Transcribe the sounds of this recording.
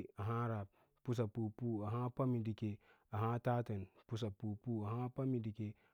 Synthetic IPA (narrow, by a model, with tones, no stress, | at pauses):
a˨ɦa˦ɾa˨ | pu˦s̬a˨pu˨pu˦a˨ɦa˦pa˦mi˨di˨ke˨ | a˨ɦã˦ta˦ta˨npu˦s̬a˨pu˨pu˦a˨ɦa˦pa˦mi˨di˨ke˦